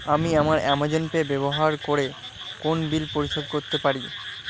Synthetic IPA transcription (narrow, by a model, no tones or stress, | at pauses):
amiamaɾɛmad͡ʑenpebɛboɦaɾkoɾe | konbilpoɾiʃod̪koɾt̪epaɾi